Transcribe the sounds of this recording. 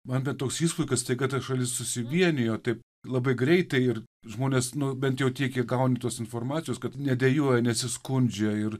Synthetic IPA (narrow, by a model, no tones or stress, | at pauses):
mɐnbʲɛt̪oːksiːspʊɪkɐst̪ɐɪɡɐt̪ɐʃɐlʲɪssʊsʲɪʋʲiɛnʲɪjoːt̪ɐɪp | lˠɐbɐɪɡɾʲɛɪt̪ɐɪɪrʒmoːnʲeːsnʊbʲɛnt̪jɛʊt̪ʲiɛkʲɛɡɐʊnʲɪt̪uɔsɪnfoːrmɑːt͡sʲɪjoːskɐt̪nʲɛd̪ʲɛjuɔjɛnʲɛsʲɪskʊnʲd͡ʒʲɛɪr